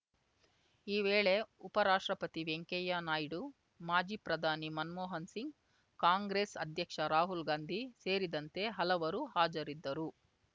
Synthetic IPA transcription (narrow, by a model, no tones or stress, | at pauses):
iːʋeːɭe̞upɐɾaːʂʈɾɐpɐt̪iʋeŋkɛjaːnaːjiɽu | maːd͡ʒiːpɾɐd̪ʱaːnimɐnmɔːɦɐnsiŋɡ | kaːŋɡɾeːsɐd̪ʱjɐkʂɐɾaːɦulɡaːnd̪ʱise̞ːɾid̪ɐnt̪e̞ɦɐlɐʋɐɾuhaːd͡ʒɐɾid̪ːɐɾu